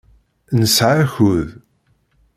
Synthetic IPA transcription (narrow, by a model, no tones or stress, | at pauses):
nəsʕaçʊð